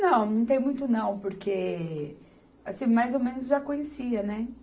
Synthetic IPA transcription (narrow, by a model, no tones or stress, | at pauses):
nɐ̃w̃nɐ̃w̃t̪ẽj̃mũj̃t̪ʊnɐ̃w̃poɾkʰe | asĩmajzomẽnʊzʒakõɲesiɐnɛ